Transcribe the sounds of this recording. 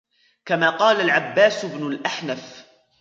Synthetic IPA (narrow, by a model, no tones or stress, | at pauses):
kamaːqɑːlalʕabːaːsʊbnʊlʔaħnaf